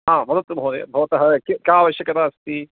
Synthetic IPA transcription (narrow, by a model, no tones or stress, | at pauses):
ɦãːmɐd̪ɐt̪ubɦoːɾḛbʱɐʋɐt̪ɐɦɐkikaːʋɐʃjɐkɐt̪aːɐst̪i